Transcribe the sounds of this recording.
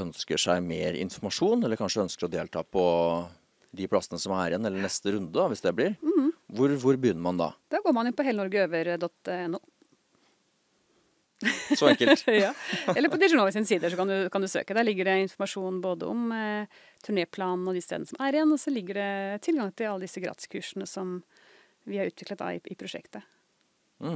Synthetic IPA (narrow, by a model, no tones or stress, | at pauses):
œnskəʂæɪmeːɾɪ̰nfɔɾmɑʂuːnɛlːəɾkʰɑnʂəœnskəɾɔd̪eːlt̪ʰɑ̰ːpʰɔ | d̪ɪpʰlɑsənəsɔmæɾɪɛnːɛlːəɳɛst̪əɾʉnd̪əd̪ɑʋɪsd̪ɛblɪɾ̩ʋʊɾʋʊɾbəjʏnːəɾmɑnd̪ɑ̰d̪̥ɑːɡoːɾmɑnɪnpɔɦeːlənɔɾɡəøːʋəɾd̪ɔt̪ːɛnːuː | sɔɛŋkːəlt̪jɑːɛlːəpɔd̪ɪʂʊnoːəsɪnsiːd̪əʂɔkɑnd̪ʉkʰɑnd̪ʉsø̰ːkəd̪æɭɪɡːəɖɛɪnfɔɾmɑʂuːnn̩boːd̪ə̰ɔ̰m | t̪ʰʉɳeːpʰlɑːnn̩ɔd̪ɪst̪ḛd̪nəsɔmʔæɾɪɛnːɔsɔlɪɡːəɖɛt̪ʰɪlɡɑŋt̪ʰɪlɑlːəd̪ɪsːəɡɾɑ̰ːt̪ɪ̥skʰʉːʂənəsɔm | ʋɪhɑɾʉːt̪ʋɪklət̪̚d̪ɑ̰ɪʔɪpʰɾʊʂɛ̰kt̪ə